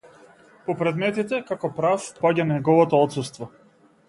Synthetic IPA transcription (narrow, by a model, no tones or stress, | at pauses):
pɔpɾɛd̪mɛt̪it̪ɛkakɔpɾafpaɟanɛɡɔvɔt̪ɔɔt̪sust̪vɔ